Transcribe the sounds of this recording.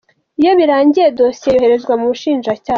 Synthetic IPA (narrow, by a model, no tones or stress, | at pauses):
ijo̞βiɾaːɲɟije̞dosiejohe̞ɾe̞zɡwamuβuʃiːnʒacaː